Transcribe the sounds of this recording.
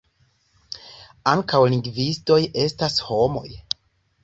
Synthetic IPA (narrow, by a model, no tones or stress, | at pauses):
aŋkawliŋɡvisto̞je̞stasho̞mo̞̰j